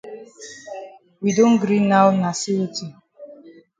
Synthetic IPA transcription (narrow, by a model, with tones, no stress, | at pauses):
wi˨do˦n̩˦ɡɾi˦nːa˦wna˨si˦u˦ti˨